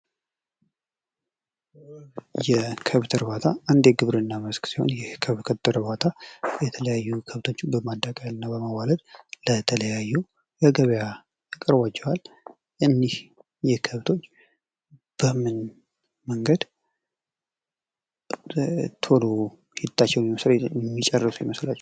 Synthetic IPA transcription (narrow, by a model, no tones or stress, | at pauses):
jɛkʰəβt̪ʰɨɾβat̪ʰaand̪eɡɨβɾɨnːaməsksiho̞̰njɛkʰəβkʰət̪ɨɾbat̪ʰajɛt̪ʰələjajːukʰəβt̪ʰo̞t͡ʃːbəmad̪ːakʼəlɨnːabəmaβalət̪lət̪ʰələjajːu | jəɡəβja | kʼəɾbat͡ʃːɛwal | ʔɨnːih | jɛkʰəβt̪ʰo̞t͡ʃː | b̥əmɨn | məŋɡəd̪ | t̪ʰolo̞ | jɪt̪ʰʼːat͡ʃːɛwnmiməslɛmːit͡ʃʼɛrːɨsujɪməslat͡ʃː